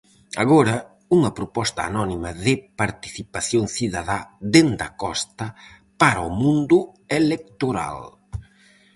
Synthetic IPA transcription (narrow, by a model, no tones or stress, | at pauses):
a̰ɣɔɾɐ | uŋɐpɾopɔst̪ɐːnɔnimɐðɪpaɾt̪i̥θipaθjoŋθiðaðad̪end̪ɐ̰kɔst̪ɐ | paɾaomũnd̪ʊelek̚t̪oɾa̰l